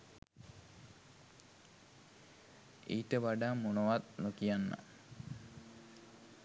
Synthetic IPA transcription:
iːʈəʋaɖaːmːunoʋat̪̚nukijanːə̰

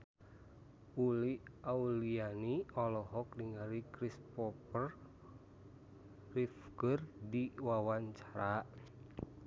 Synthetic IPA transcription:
uliaulianiɔlɔɦɔk̚diŋaɾikɾispɔpər | rifkərdiwawaɲt͡ʃḁɾa

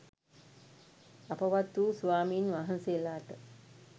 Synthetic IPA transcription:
apɐʋat̪ːuːsuʋaːmiːnʋaɦɐnselaːt̪ə

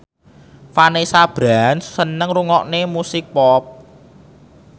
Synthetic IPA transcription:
fanesab̥ɾansːənəŋruŋɔʔnemusɪk̚pɔp̚

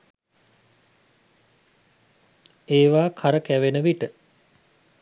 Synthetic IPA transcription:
eːʋaːkʰaɾəkæʋenəʋiʈə

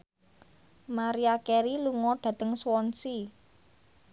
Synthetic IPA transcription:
maɾiakɛɾiluŋɔɖ̥ä̤t̪əŋswɔnsi

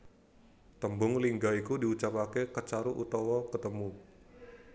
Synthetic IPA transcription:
t̪əmbʊŋliŋɡaikudiut͡ʃapakekət͡ʃaɾuʔut̪ɔwɔkət̪əmu

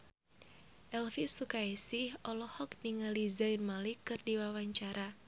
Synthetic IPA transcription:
ʔɛlθisukaisɪhɔlɔhɔk̚niŋalizaɪnmalɪkɨrdiwawaɲt͡ʃaɾʔa

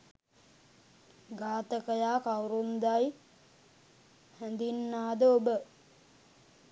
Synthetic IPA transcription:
ɡaːt̪əkəjaːkawɾumd̪aj | hænd̪inːaːd̪əobə

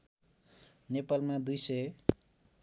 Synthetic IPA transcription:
nepalmad̪ujsʌj

